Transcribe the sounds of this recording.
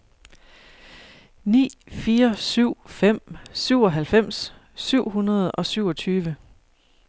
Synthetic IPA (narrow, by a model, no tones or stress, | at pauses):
nḭːfiːɐsyʊ̰fem̰syʊ̰ɒ̽ɦælfem̰s | syʊ̰ɦunɐð̞̩ˠɒ̽syʊ̰ɒt͡sʰyːʋə